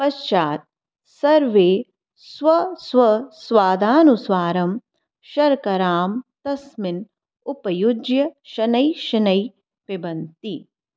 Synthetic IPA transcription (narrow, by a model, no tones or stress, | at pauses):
pɐʃt͡ʃaːt̪̚ | sɐɾʋeː | sʋɐsʋɐsʋaːd̪ʱaːnusʋaːɾɐm | ʃɐɾkɐɾaːmt̪ɐsmɪn | upɐjud͡ʒjɐʃɐnɐjʃɐnɐj | pibɐnt̪i